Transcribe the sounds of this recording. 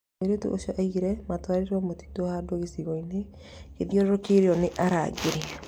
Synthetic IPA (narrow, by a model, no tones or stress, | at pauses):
eɾetṵʔo̰ʃɔʔaiɾɛmatwaɾiɾɔmoti̥dohadoɣesiɣɔine | keðjɔɾɾokeɾeɔneʔaɾa̰ɡeɾɛ